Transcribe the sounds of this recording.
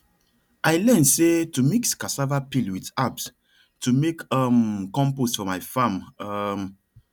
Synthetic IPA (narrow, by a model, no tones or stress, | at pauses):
ʔajlɛ̃nsetumikskasavapilwitaps | tumekamkɔ̃mposfɔmajfãmm